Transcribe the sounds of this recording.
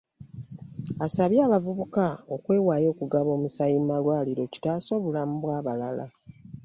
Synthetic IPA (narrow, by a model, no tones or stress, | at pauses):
asaβjaːβavuβukaokwe̞ːwaːjo̞ːkuɡaβo̞ːmusajimmalwaːliɾo̞ci̥taːso̞βulamubwaːβalala